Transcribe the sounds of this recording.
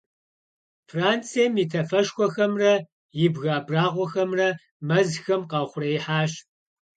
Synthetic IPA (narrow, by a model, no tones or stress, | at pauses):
fraːnt͡sʰieːmjitʰɐfɐʃxʷɔxɐmrɐ | jɪbɣaːbraːʁʷɔxɐmrɐ | mɐzxɐmqɑːχʷʊrɐɪħaːɕ